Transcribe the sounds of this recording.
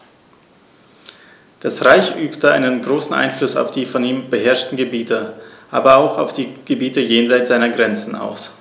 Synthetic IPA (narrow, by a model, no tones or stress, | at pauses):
d̥asʁaɪçʔyːptəa̰ɪnənɡʁoːsn̩ʔa̰ɪnflʊsa̰ʊfd̥iːfɔniːmbəɦɛɐʃtn̩ɡəbiːtəʔa̰ːbɐaʊxaʊfd̥iːɡ̥əbiːtəjeːnzaɪtz̥aɪnɐɡʁɛnt͡sn̩a̰ʊs